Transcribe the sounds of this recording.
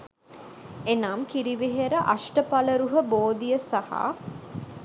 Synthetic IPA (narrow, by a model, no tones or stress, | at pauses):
enaːmkiɾiʋeɦeɾəʔaʃʈəpɐləɾuɦəboːd̪ijəsaha̰ː